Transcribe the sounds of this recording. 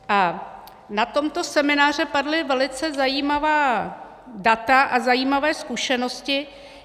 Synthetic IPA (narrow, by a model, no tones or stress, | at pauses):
ʔa | nat̪o̞mt̪o̞sɛmɪnaːr̝ɛpadlɪvɛlɪt͡sɛzajiːmavaː | dat̪aʔazajiːmavɛːskuʃɛno̞scɪ